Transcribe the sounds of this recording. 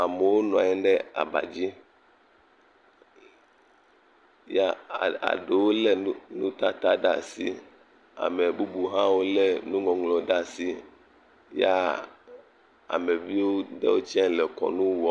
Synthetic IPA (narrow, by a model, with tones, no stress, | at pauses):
a˨me˨wo˦nɔ̃˨a˨ɲɛ̃˦ɖɛ˦a̰˨ba̰˨d͡ʑi˦ | ja˦˨a̰˨ɖe˨wo˦le˦nṵ̃˦t̪a˦t̪a˦ɖa̰˨sḭ˦ | a̰˨me˨bu˦bu˨ɦã˦wo˦le˦nũ˦ŋɔ̃˨ŋlɔ̃˨ɖa˦si˦ | ja˦ | a̰˨me˨vi˦wo˦ɖḛ˦wo˦t͡ʃɛ̃˦lɛ˨kɔ̰˨nũ˦wɔ˦